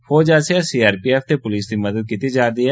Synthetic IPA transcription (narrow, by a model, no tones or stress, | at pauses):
foːd͡ʒaːseɛsiːaːɾpiɛːft̪epʊliːsd̪imɐd̪əd̪̚kit̪id͡ʒaːɾd̪iɦɛː